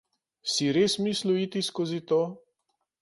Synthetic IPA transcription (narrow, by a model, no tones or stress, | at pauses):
siɾeːsmisluit̪iskozit̪oː